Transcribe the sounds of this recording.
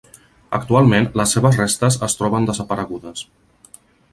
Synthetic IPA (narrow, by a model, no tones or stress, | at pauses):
ə̰k̚t̪ualˠmenləsːeβəzrest̪əzəst̪ɾɔβənd̪əzəpəɾəɣuðəs